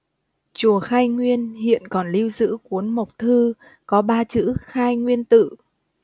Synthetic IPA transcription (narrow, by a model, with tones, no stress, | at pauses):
t͡ɕu˨˩əxaː˧jŋwi˧ənhḭ˧˨ənkɔ˨˩nli˧wzɨ̰˧˥ku˨˦ənmə˨˩wk͡p̚t̪ʰɨ˧ | kɔ˨˦ɓaː˧t͡ɕɨ̰˧˥xaː˧jŋwi˧ənt̪ɨ̰˧˨